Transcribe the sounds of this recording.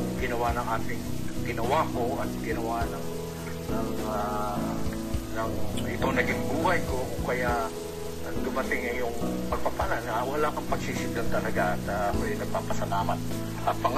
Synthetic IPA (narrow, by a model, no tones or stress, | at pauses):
ɡɪnɐwanɐŋʔaːt̪ɪŋɡɪnɐwakoʔɐt̪̚ɡɪnɐwanɐŋ | nɐŋa | nɐŋʔɪt̪onɐɡɪŋbuːhɐjkokʊŋkɐja | ɐd̪ʊmɐt̪ɪŋɐjʊŋpɐɡ̚pɐpananɐwɐlaːkɐŋpɐɡ̥̚sisɪnd̪ant̪ɐlɐɡaʔɐt̪akojɪnɐɡ̚paːpɐsɐlaːmɐt̪̚ | ʔɐt̪̚pɐŋ